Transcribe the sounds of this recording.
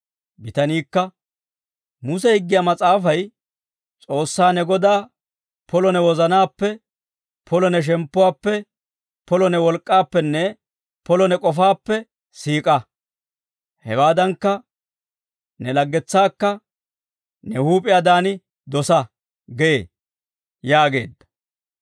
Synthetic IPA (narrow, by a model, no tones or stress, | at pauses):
bɪt̪ɐniːkːɐ | mʊsɛhɪɡːɪjamɐt͡sʼaːfɐj | t͡sʼo̞ːsːaːnɛɡɔd̪aː | pʰɔlɔnɛwɔzɐnaːpːɛ | pʰɔlɔnɛʃ̬ɛmpːʊwaːpːɛ | pʰɔlɔnɛwɔlkʼːaːpːɛnːɛ | pɔlɔnɛkʼɔfaːpːɛ | siːkʼɐ | hɛ̰waːd̪ɐŋkːɐ | nɛlɐɡːɛt͡sːaːkːɐ | nɛhuːpʼɪjad̪aːnɪ | d̪ɔsɐ | ɡɛḛː | jaːɡe̞̰ːd̪ːɐ̥